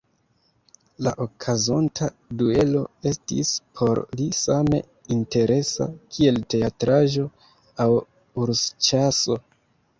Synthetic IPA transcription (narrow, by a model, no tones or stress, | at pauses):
laʔokʰazontʰa | due̞lo̞̰e̞stḭspʰo̞ɾlisame̞̰ | inte̞ɾe̞sa̰kʰie̞lte̞atɾaʒo̞ | aw | uɾst͡ʃaso̞